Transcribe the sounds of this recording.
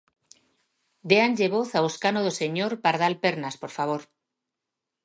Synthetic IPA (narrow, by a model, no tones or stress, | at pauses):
d̪eanʎeβ̞oθaoskanoðose̞ɲoɾpaɾðalpeɾnaspo̞ɾfaβ̞oɾ